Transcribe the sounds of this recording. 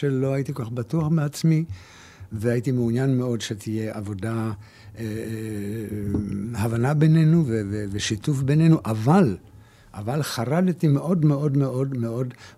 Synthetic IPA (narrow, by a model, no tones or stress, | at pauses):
elo̞ajit̪ikoaχbatuaχmeat͡smi | veajitimeunjanme̞o̞dʃet̪ʰije̞ʔavo̞da | havanabene̞nuveveveʃitufbenenuʔaval | ʔavalχaʁaltimeʔo̞dmeo̞dmeʔo̞dme̞o̞d